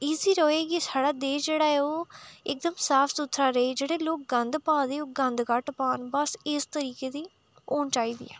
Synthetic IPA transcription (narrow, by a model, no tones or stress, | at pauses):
iːziːɾoːeːɡiːsaːɽaːd̪eːd͡ʒeːɽaːɛoːɪk̚d̪əmsaːpʰsʊt̪ʰɾaːɾeːd͡ʒeːɽeːloːk̚ɡənd̪paːd̪eːoːɡənd̪kəʈpaːnbəsɪst̪əɾiːkeːd̪iː | oːnt͡ʃaːiːd̪ḭːɛ̰ː